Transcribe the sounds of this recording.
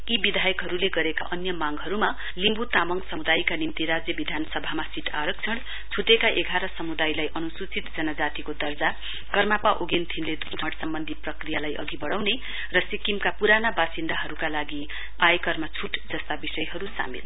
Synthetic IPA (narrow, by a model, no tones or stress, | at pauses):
ibid̪ʱajʌkɦʌɾuleɡʌɾeka̰ʔʌnjʌmaŋɡɦʌɾuma | limbut̪amʌŋsʌmud̪ajkanimt̪iɾad͡zjʌbid̪ʱanʌsʌbʱamasiʈʰa̰ɾʌk̚t͡sʰʌɽ | t͡sʰuʈekaʔeɡʱaɾʌsʌmud̪ajlajʔʌnusut͡sit̪d͡zʌnʌd͡zat̪ikod̪ʌrd͡za | kʌrmapaʔoɡent̪ʰinled̪uʈʰʌɽsʌmbʌnd̪ʱiprʌkrijalajʔʌ̰ɡibʌɽawne | rʌsikimkapuɾanabasind̪ʱaɦʌɾukalaɡi | ajkʌrmat͡sʰuʈd͡zʌst̪abisʌjɦʌɾusa̰mḭl